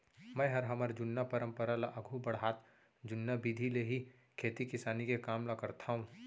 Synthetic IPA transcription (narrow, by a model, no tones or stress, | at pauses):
mɛ̃ːɦɐɾɦɐməɾd͡ʒʊnːapəɾə̃mpəɾalaʔɐɡʱubɐɽɦaːt̪ | d͡ʒʊnːabiːd̪ʱileɦi | kʰeːt̪ikɪsaːnikekaːmlakɐɾt̪ʰaɦũ